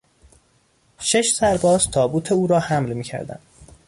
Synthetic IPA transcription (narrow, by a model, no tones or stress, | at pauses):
ʃe̞ʃsæɾbɒːz̥t̪ʰɒːbuːt̪ʰeuːɾɒːhæmlmiːcʰæ̰ɾd̪æ̰nd̪̥